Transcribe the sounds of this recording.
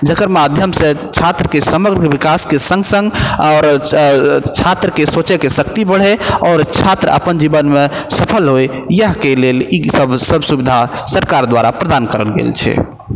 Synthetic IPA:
d͡ʒəkəɾmad̪ʱjəmsẽt͡ʃʰat̪ɾəkesəməɡɾʋikaskesə̃ŋɡsə̃ŋɡaːɾ | t͡ʃʰat̪ɾəkesot͡ʃekesəkt̪ibəɽ̤ɛɔːɾt͡ʃʰat̪ɾəə̰pənd͡ʒibənmesəpʰəlɦoj | jəɦkelelisəbsəbsubid̪ʱasəɾkaɾd̪waɾapɾəd̪ankəɾə̰lɡḛlt͡ʃʰɛ̰

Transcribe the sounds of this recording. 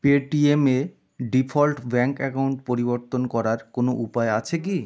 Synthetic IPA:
peʈieme | ɖipʰɔlʈbɛŋkɛkawɳʈpoɾiboɾt̪onkɔɾaɾkonoʔupaeat͡ɕʰeki

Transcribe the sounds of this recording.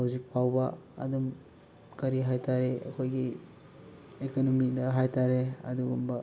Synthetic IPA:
awzik̚pʰawbɐɐ̰dum | kɐɾiɦajtʰaɾeʔɐ̰kʰojɡi | ekonomidɐɦajtaɾeɐ̰duɡumbɐ

